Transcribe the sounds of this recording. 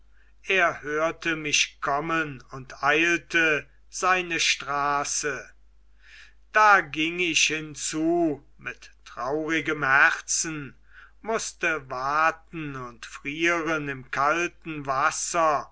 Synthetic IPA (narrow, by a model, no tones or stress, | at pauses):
ʔeːɐhøːɐtəmɪʃkʰɔmənʊntaɪltə | z̥aɪnəʃtʁaːsə | d̥aːɡɪŋɪçhɪnt͡suː | mɪtː | ʁ̥ɑʊʁɪɡəmhæʁsn̩ | mʊstəvaːtn̩ʊntfʁiːʁənɪmkʰaltn̩vasɐ